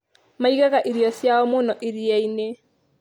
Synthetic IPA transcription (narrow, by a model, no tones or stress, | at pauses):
maiɣaɣaʔiɾiɔsjaɔmonɔʔiɾiɛine